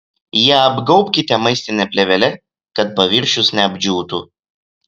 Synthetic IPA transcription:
jiɛɐbɡɒʊpʲkʲɪt̪ʲɛmɐɪsʲt̪ʲɪnʲɛpʲlʲɛʋʲɛlʲɛ | kɐt̪̚pɐʋʲɪɾʲʃʲʊsnʲɛɐbʲd͡ʒʲuːt̪u

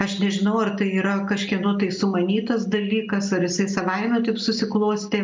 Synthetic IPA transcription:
ɐʃnʲɛʒʲɪnɐʊɐrt̪ɐɪiːɾɐkɐʃʲkʲinuːt̪ɐɪsʊmɐnʲiːt̪ɐsd̪ɐlʲiːkɐsɐɾjɪsɐɪsɐʋɐɪmʲut̪ɐɪpsʊsʲɪklˠuːsʲt̪ʲeː

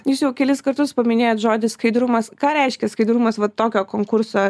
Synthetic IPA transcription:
juːsjɛʊkʲɛlʲɪskɐɾt̪ʊspɐmʲɪnʲeːjoːt̪ʒoːd̪ʲɪsskɐɪd̪ɾʊmɐskɑːɾʲɛɪʃʲkʲɛskɐɪd̪ɾʊmɐsʋɐt̪ːoːkʲoːkoːŋkʊɾsoː

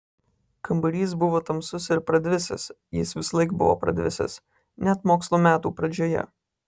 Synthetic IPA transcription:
kɐmbɐɾʲiːs̬bʊʋoːt̪ɐmsʊsɪɾpɾɐd̪ʲʋʲɪsʲɪ̰s | jɪ̰sʋʲɪsɐlˠɐɪkbʊ̰ʋo̰ːpɾɐ̰d̪ʲʋʲɪ̰sʲɪ̰s | nʲɛt̪moːkslˠoːmʲæːt̪uːpɾɐd͡ʒʲoːjɛ̰

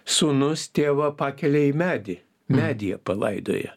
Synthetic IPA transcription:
suːnʊst̪ʲeːʋɐpɑːkʲɛlʲɛimʲæːd̪ʲɪ | mʲæːd̪ʲɪjɛ̰pɐlˠɐ̰ɪd̪o̰ːjɛ̰

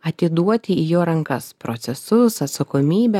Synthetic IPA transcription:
ɐt̪ʲɪd̪uɔt̪ʲɪijoːɾɐŋkɐspɾot̪sʲɛsʊsɐt̪sɐkoːmʲiːbʲɛ

